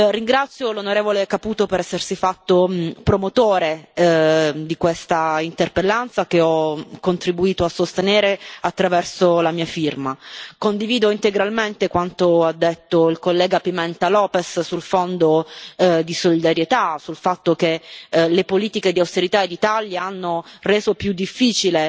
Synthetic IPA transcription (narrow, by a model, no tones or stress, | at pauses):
riŋɡɾat̪sːjolonoɾeːvolekapuːt̪opeɾɛsːersifat̪ːopɾomot̪oːɾe | d̪ikwest̪aint̪erpelːant̪sak̟eɔkːont̪ɾibuiːt̪oasːost̪eneːɾeat̪ːɾavɛrsolamiːafirmakond̪iviːd̪oint̪eɡɾalment̪ekwant̪oad̪ːet̪ːoilkolːɛːɡapimɛnt̪alɔːpessulfond̪o | d̪isolid̪aɾjet̪asulfat̪ːok̟elepoliːt̪iked̪iawst̪eɾit̪aed̪it̪aljaanːoreːzopjud̪ːifːiːt͡ʃile